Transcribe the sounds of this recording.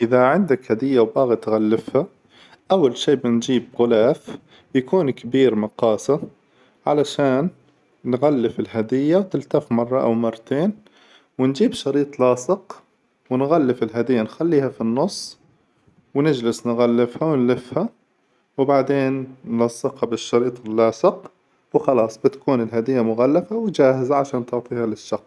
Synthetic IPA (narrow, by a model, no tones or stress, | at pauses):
ʔɪðaʕɪnd̪akhad̪ɪjːawbaːɣit̪ɣalːɪfha | ʔawːalʃiːbɪnd͡ʒiːb̚ɣʊlaːf | jakuːnkabiːɾmɑqɑːsa | ʕalaʃaːnː | ɣalːɪfɪlɦad̪ɪjːawt̪ɪlt̪afmɑrˤːɑʔa̰wmɑrˤːt̪eːn | wɪnd͡ʒiːbʃɑɾiːt̪ˤlɑːsˤɪq | wɪnɣalːɪfɪlɦad̪ɪjːanxalːiːhafinːʊsˤː | wnɪd͡ʒlɪsnɣalːɪfhawnlɪfha | wbaʕd̪eːnːlɑsˤːɪqhabɪʃːɑɾiːt̪ˤɪlːɑːsɪq | wxɑlɑːsˤbɪt̪ḁkuːnɪlɦad̪ɪjːamʊɣalːafawd͡ʒaːhɪzaʕaʃaːnt̪ʊʕt̪ˤiːhalɪʃːɑqs